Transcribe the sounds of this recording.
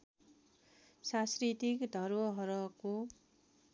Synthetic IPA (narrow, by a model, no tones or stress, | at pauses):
saskɾit̪ikd̪ʱʌɾwʌɦʌɾʌko